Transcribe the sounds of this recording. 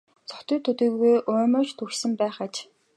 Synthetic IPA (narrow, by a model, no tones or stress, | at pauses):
t͡sɔ̥t̪ĭːt̪ʰɵt̪ĭɣɣujʔʊːmə̆t͡ɕt̪ʰuxsɘ̆mpæːχat͡ɕ